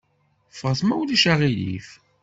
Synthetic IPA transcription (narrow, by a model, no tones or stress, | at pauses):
fəʁəθmæwliʃaʁilḭf